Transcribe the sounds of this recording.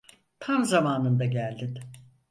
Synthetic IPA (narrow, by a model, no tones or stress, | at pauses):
t̪ʰamzamaːnɯnd̪aɟælʲd̪it̪